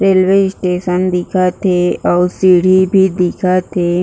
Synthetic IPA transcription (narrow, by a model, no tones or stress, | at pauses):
ɾeːlʋesʈeːʃənd̪ɪkʰat̪ʰeɔːɾsiːɽ̤ʱibʱid̪ɪkʰat̪ʰe